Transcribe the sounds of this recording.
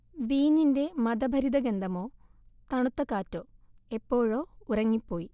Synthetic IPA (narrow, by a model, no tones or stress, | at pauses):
ʋiːninde̞mɐd̪ɐbʱɐɾid̪ɐɡend̪ʱɐmo̞ːt̪ɐɳut̪ːɐkːaːtːoːe̞pːo̞ːɻoːurɐŋːipːo̞ːji